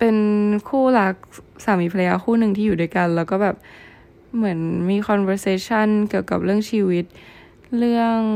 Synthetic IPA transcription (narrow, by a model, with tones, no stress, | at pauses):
pe˧nkʰuː˥˩la˦˥k̚saː˨˩˦miː˨˩pʰa˧la˧jaː˧kxʰuː˥˩nɯ˨˩ŋt̪ʰiː˥˩juː˨˩uː˥˩jka˧nlɛː˦˥wkɔː˥˩bɛː˨˩p̚ | mɯ˩˦ənmiː˧kʰɔ˧nwɛː˧seː˧˥t͡ɕʰa˥˩nki˨˩əwka˨˩p̚ɾɯ˥˩əŋt͡ɕʰiː˧wi˦˥t̪̚ | ɾɯ˥˩əŋ